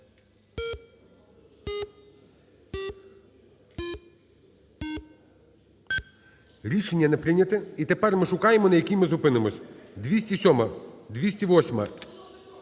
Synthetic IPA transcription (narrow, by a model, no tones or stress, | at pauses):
ɾʲiʃenʲːɐnɛpɾɪnʲɐt̪ɪit̪epɛrmɪʃʊkɑjemɔnɐjɐkʲijmɪzʊpɪnemɔsʲd̪ʲʋʲisʲtʲisʲɔmɐd̪ʲʋʲisʲtʲiʋɔsʲmɐ